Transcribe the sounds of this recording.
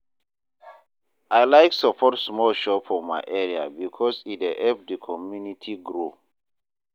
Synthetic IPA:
ajlaɪksəpʰɔtsmɔlʃɔpɔma̰ɪʔɛɹia̰bikʰɔsiteʔɛp̚dəkʰɔmjunitʰiɡɾo

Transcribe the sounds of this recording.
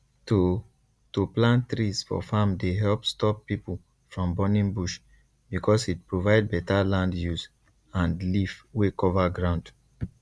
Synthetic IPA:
to | toplãntɹisfɔ̰famdeɦɛlpstɔpːipul̩ | fɹɔ̃mbɔnĩŋbuʃ | bikʰɔsit̚pɹovaɪd̚bɛtalãndjus | ãndlivwekɔvaɡɹãʊ̃nd̥

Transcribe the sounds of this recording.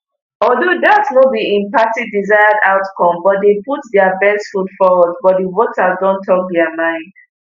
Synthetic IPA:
ɔdodasnodiĩmpatidizaɪədaʊtkɔ̃mbɔt̚deput̚dɛəbɛsfutfɔwɔd̚bɔt̚divotʰədɔ̃ntʰɔk̚dɛəmãɪ̃nd̥

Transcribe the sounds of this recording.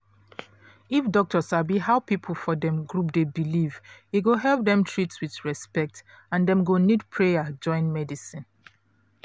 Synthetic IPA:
ifdɔk̚tɔsabihaʊpipʰl̩ˠfɔdɛ̃mɡɹup̚debiliviɡoɦɛlˠp̚d̪ɛ̃mtʰɹitswiθɹɛspɛk̚t | ãndɛ̃mɡonidpʰɹejəd͡ʒɔ̃ɪ̃nmɛdisĩn

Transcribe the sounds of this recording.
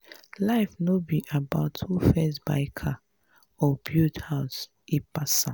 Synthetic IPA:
laɪfnobiʔabaʊtʰːufɛsba̰ɪkʰa | ɔbjuthaʊs | ipasã

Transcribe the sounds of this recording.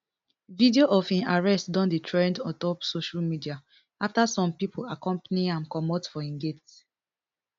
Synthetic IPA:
vidioʔɔfĩnaɹɛstdɔ̃nditʰɹɛ̃ndɔtɔpsoʃalmidia | aftasɔ̃mpipʰolakɔ̃mpaniãmkɔmɔtfɔĩnɡet

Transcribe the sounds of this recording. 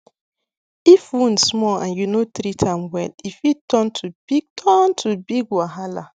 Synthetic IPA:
ifunsmɔã̰njunotɾitʰamwɛlifitɔntʰub̥iɡ̚tʰɔntʰubiɡwaɦala

